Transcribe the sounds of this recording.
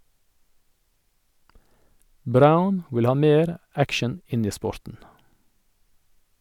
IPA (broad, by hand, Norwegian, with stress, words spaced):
ˈbɾaʊn ˈwɪl ˈhɑː ˈmeːɾ ˈækʃən ˈɪn ˈiː ˈspɔɾtn̩